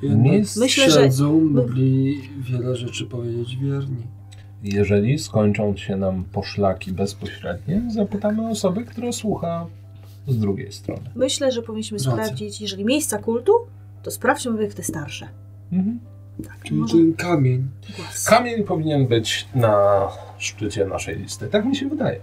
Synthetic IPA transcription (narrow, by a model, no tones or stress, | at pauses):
ɛmʲesmɘɕlɛʐɛɛd̪zɔ̃ɡlʲivʲjɛlɛʐɛt͡ʂɘpɔvʲjed͡ʑed͡ʑvʲjɛɾɲi | jɛʐɛlʲiskɔɲt͡ʂɔ̃ñɕɛnampɔʂlakʲibɛspɔɕɾɛd̪ɲɛzapɘt̪amɘɔsɔbɘkt̪uɾɛswuxa | zd̪ɾuɡʲḛjst̪ɾɔ̰nɘmɘɕlɛʐɛpɔvʲiɲːiɕmɘspɾavd͡ʑit͡ɕjɛʐɛlʲimʲejst̪sakult̪u | t̪ɔspɾaft͡ɕɛmɔvʲjɛft̪ɛst̪aɾʂɛ | m̩ɦm̩ | t̪ḁkit̪ɛkamʲeɲ | ɛkamʲjeɲpɔvʲiɲɛnbɘt͡ɕna | ʂt͡ʂɘt͡ɕɛna̰ʂɛ̰jlʲḭst̪ɘt̪akmʲiɕɛvɘd̪ajɛ̰